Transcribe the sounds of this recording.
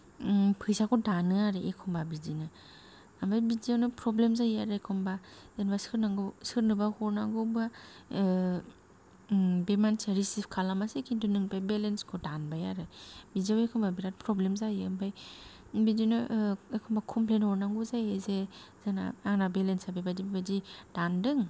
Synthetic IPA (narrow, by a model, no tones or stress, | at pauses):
pʰɯjsakʰɔdanɯaɾɯekʰɔmbabizinɯ | ambajbiziawnɯpɾɔblemzajaɾekʰɔmbazenbasɯɾnaɡsɯɾnɯbahɔɾnaŋɡɯba | bemansaɾisipʰkʰalamasekʰindunɯŋpʰajbelenskʰodanbajaɾɯbiziawekʰɔmbabiɾat̚pɾɔblemzajɯmbaj | bidinɯekʰɔmbakʰɔmplenɔɾnaŋɡuzajezezana̰aŋnabelensabajbadibabadid̥andɯŋ